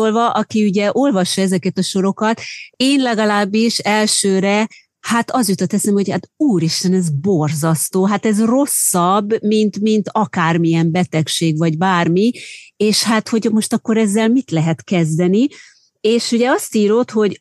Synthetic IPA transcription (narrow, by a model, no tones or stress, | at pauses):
olvɒʔɒkiuɟɛʔo̞lvɒʃːɒɛzɛkɛt̪ɒʃo̞ɾo̞kɒt̪eːnlɛɡɒlaːbːiʃɛlʃøːɾɛ | hat̪ɒzut̪ɒt̪ɛsemho̞ɟhat̪uːɾiʃt̪ɛnɛzbo̞rzɒst̪oːɦat̪ɛzro̞sːɒbːmint̪mint̪ɒkaːrmiɛmbɛt̪ɛkʃeːɡvɒɟbaːrmieːʃhat̪ho̞ɟmo̞ʃt̪ɒkːo̞ɾɛzːɛlmit̪lɛɦɛt̪kɛzd̪ɛni | eːʃuɟɛɒst̪iːɾo̞t̪ho̞ɟ